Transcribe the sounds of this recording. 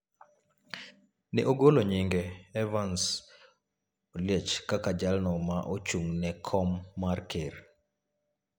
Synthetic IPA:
nɛʔoɡoloɲiŋɡɛɛvans | oljet͡ʃkakad͡ʒalnɔmaʔot͡ʃuŋnɛkʰɔmːarkʰeɾ

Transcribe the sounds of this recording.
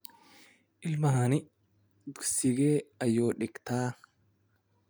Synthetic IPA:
ʔɪlmɐhɐnɪ | d̪ʊsɪɡeːɐjːoːᶑɪɡt̪aː

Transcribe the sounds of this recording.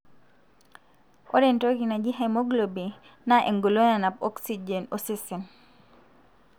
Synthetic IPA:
ɔ̰ɾɛntoɡinad͡ʒiɦamoɡlobinaʔḛŋɡolonanap̚ɔksid͡ʒɛnɔsisin

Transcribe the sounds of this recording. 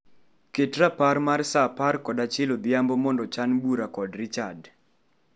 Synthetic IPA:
ketɾapaɾmarsaparkɔdat͡ʃɪlod̪ɪambɔmɔndɔt͡ʃanbuɾakɔdɾɪt͡ʃad

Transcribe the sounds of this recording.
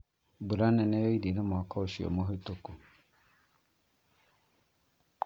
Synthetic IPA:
buɾanɛ̃nɛjoidinə̃mɔkʰaoʃio̰moɦetoku

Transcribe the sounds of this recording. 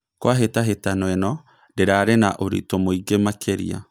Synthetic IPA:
kwaɦetaɦetanwɛnɔ | deɾaːɾenaʔoɾḭtomoiɡemakʰeɾḭa̰

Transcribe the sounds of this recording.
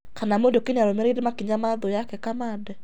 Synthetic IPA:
kanamondokenaɾomɛɾedemakiɲamaðojakɛkamadɛ

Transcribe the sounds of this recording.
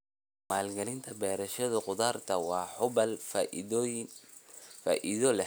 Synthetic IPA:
maːlɡɐlɪnt̪ʰɐbɛːɾɐʃɐðɐqʊðaːrt̪ʰɐwɑːħʊbɐl | faʔɪðɔlɛ

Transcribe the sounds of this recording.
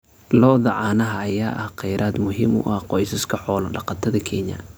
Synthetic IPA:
lɔːðɐʕɑːnɐɦɐɐjaːʔɐhqɛjɾʔaːd̪mʊɦɪmʊ̰ʔɐhqɔjsɐskʰɐħɔːlɐɖɑqɑt̪ʰɐðɐkʰɛɲɐ̰

